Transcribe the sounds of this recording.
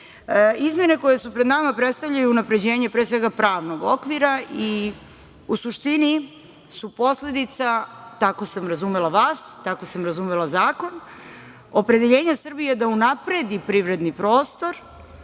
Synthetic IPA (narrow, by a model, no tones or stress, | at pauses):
izmʲje̞ne̞ko̞je̞supɾe̞d̪namapɾe̞t̪st̪avʎajuːnapɾe̞d͡ʑe̞ːɲepɾeːsʋe̞ɡapɾaːʋno̞ɡo̞kʋiɾai | usuʃt̪ini | supo̞sle̞d̪it̪sat̪akosamɾazumelaʋaːst̪ako̞samɾazumelˠazaːko̞n | o̞pɾe̞d̪eʎe̞ːɲasr̩bijed̪aunapɾe̞d̪ipɾiʋɾe̞d̪nipɾo̞ːst̪o̞ɾ